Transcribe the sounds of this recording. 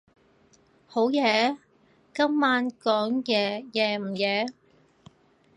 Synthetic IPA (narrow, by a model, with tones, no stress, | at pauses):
ho˨˧˥wjɛː˨˧ | kɐ˥mːaː˨˧˥nkɔː˨˥ŋjɛː˨˧jɛː˨˧m̩˨˩jɛː˨˧